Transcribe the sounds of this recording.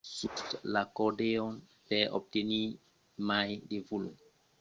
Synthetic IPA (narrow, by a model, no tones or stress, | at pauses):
sutlakoɾdeon | peo̰p̚teni | majdevulo